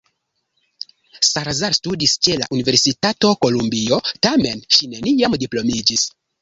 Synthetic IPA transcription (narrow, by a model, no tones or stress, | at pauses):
saɾzaɾstudist͡ʃe̞la̰ʔunive̞ɾsitato̞ko̞lumbio̞tame̞nʃine̞niamdiplo̞mid͡ʒis